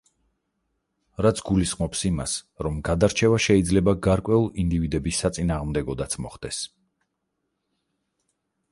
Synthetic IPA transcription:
ɾat̪sʰɡulisχmɔpsima̰sɾɔmɡad̪aɾt͡ʃʰɛvaʃɛid̪zlɛbaɡaɾkʼwɛulˠind̪ivid̪ɛbisːat̪sʼinaːʁmd̪ɛɡɔd̪at̪sʰmɔ̰χd̪̥ɛs

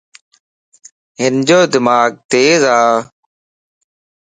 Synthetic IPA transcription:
ɦɪnd͡ʑoːd̪ɪmaːɡ̚t̪eːzaː

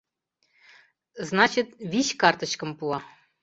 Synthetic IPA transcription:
znɑt͡ɕit̪βʲiɕkɑrt̪ɤ̆ɕkɤ̆mpuɑ

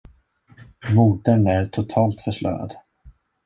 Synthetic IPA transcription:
muːd̪ənæɾʈʰʊt̪ʰɑːlt̪fœʂlœ̰ːɾa̰d̪

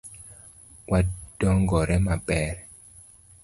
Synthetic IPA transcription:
wad̥ɔŋɡɔɾɛmabɛɾ

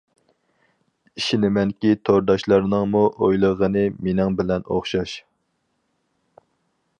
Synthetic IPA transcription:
iʃinɪmɛnkʲit̪ʰoɾd̪ɑʃlˠɑɾnɨŋmuʔojlˠəʁənɨmenɪŋbɪlɛno̰χʃɑʃ

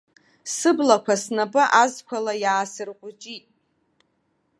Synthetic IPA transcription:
sɨblakʷʰasnabʼɨʔazkʷʰalajaːsɨrqʷʼʊd͡ʒʼitʼ

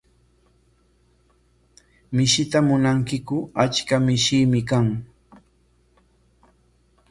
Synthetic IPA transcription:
mɪʃɪt̪amʊnaŋkɪkʊat͡ʃkamɪʃɪmɪkaŋ

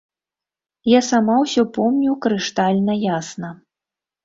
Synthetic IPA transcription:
jasamawsʲɔpɔmnʲukɾɨʂt̪alʲnɐjasnɐ

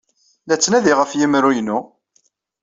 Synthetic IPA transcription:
læt͡sːnæðiʁəfjimɾujənːu

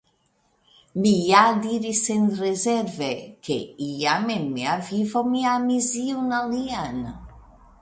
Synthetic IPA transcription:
mijad̪iɾisenrezɛɾvekʰḛiamemːeavivomiamiziunalian

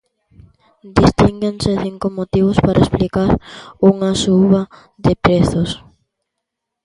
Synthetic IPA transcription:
d̪ist̪iŋɡenseθiŋkomot̪iβ̞ospaɾʔaesplikaɾuŋasuβɐ | ðɪpɾeθos

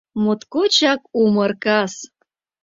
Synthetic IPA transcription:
mut̪kut͡ɕɑkumərkɑs

